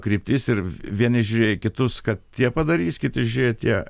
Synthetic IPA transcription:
kɾʲiːpʲt̪ʲiːsɪɾʋʲiɛnʲɪʒʲʊɾʲeːjkʲɪt̪ʊskɐt̪t̪ʲiɛpɐd̪ɐɾʲiːsʲkʲɪt̪ɪʒʲʊɾʲeːjt̪ʲiɛ

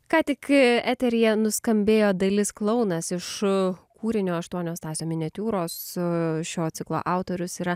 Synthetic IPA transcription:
kɑːt̪ʲɪkæːt̪ʲɛɾʲijɛnʊskɐmʲbʲeːjoːd̪ɐlʲɪsklˠɐʊnɐsɪʃkuːɾʲɪnʲoːɐʃt̪uɔnʲoːst̪ɑːsʲoːmʲɪnʲɛt̪ʲuːɾoːsʃʲoːt̪sʲɪklˠo̰ːʔɑˑʊt̪oːɾʲʊsiːɾɐ

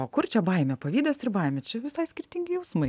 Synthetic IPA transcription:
oːkʊrt͡ʃʲɛbɐɪmʲɛpɐʋʲiːd̪oːsɪrbɐɪmʲɛt͡ʃʲɛʋʲɪsɐɪsʲkʲɪrʲt̪ʲɪŋʲɡʲɪjɛʊsmɐɪ

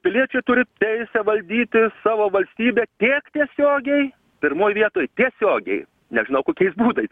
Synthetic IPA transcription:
pʲɪlʲiɛt͡ʃʲɛɪt̪ʊɾʲɪt̪ʲɛɪsʲɛʋɐlʲd̪ʲiːt̪ʲɪsɑːʋoːʋɐlʲsʲt̪ʲiːbʲɛːt̪ʲiːkt̪ʲiɛsʲoːɡʲɛɪ | pʲɪɾmoːjʋʲiɛt̪oːjt̪ʲiɛsʲoːɡʲɛ̰ɪ | nʲɛʒʲɪnɐʊkoːkʲɛɪsbuːd̪ɐɪ

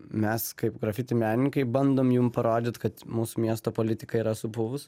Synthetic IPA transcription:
mʲɛskɐɪpɡɾɐfʲɪt̪ʲɪmʲæːnʲnʲɪŋkɐɪbɐnd̪oːmjumpɐɾoːd̪ʲɪt̪kɐt̪muːsʊmʲiɛst̪oːpoːlʲɪt̪ʲɪkɐiːɾɐsʊpʊʋʊs

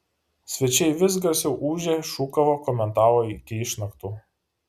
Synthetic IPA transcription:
sʲʋʲɛt͡ʃʲɛɪʋʲɪs̬ɡɐsʲjɛʊʔuːʒʲeːʃuːkɐʋoːkɔːmʲɛnt̪ɑːʋoːɪkʲɪɪʃnɐkt̪uː

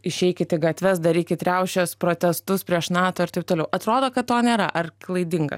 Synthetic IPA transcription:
ɪʃʲɛɪkʲɪt̪ʲɪɡɐt̪ʲʋʲɛsd̪ɐɾɪːkʲɪt̪ʲɾʲɛʊʃʲoːspɾoːt̪ʲɛst̪ʊspʲɾʲiɛʃnɑːt̪oːɪɾt̪ɐɪp̚t̪oːlʲɛʊʔɐt̪ɾoːd̪oːkɐt̪̚t̪ːoːnʲeːɾɐ̰ʔɐrklˠɐɪd̪ʲɪŋɡɐ̰s

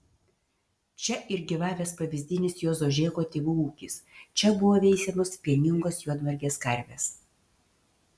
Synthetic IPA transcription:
t͡ʃʲɛʔɪɾɡʲiʋɑːʋʲeːspɐʋʲɪzʲd̪ʲɪnʲɪsjoːzoːʒʲeːkoːt̪ʲeːʋuuːkʲɪst͡ʃʲɛbʊʋoːʋʲɛɪsʲemospʲiɛnʲɪŋɡoːsjuɔd̪ʋɐɾʲɡʲeːskɐɾʲʋʲeːs

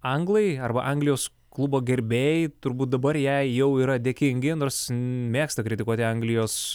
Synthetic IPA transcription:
ɐŋɡlˠɐɪɐrbɐ̰ʔɐŋɡlʲɪjoːs | klˠʊboːɡʲɛɾʲbʲeːjɪt̪ʊɾbuːt̪̚d̪ɐbɐɾjɛɪjɛʊiːɾɐd̪ʲeːkʲɪŋʲɡʲɪnoːrsmʲeːkst̪ɐkɾʲɪt̪ʲɪkuɔt̪ʲɪɐŋɡlʲɪjoːs

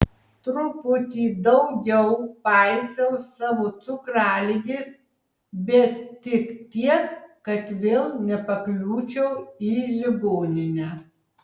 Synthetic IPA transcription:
t̪ɾʊpʊt̪ʲiːd̪ɒʊɡʲɛʊpɑɪsʲɛʊsɑːʋoːt̪sʊkɾɑːlʲiɡʲɪs | bʲɛt̪tʲɪkt̪ʲiɛkːɐt̪ʋʲeːlˠnʲɛpɐklʲuːt͡ʃʲɛʊiːlʲɪɡoːnʲɪnʲæː

